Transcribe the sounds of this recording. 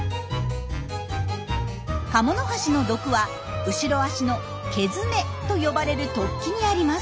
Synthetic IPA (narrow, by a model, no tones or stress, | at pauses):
kamo̞no̞ɦaɕino̞d̪o̞kɯ̟βa | ɯ̟ɕiɾo̞aɕino̞ | ke̞zɨme̞t̪o̞jo̞baɾe̞ɾɯ̟t̪o̞kʲːiɲ̟iaɾʲimas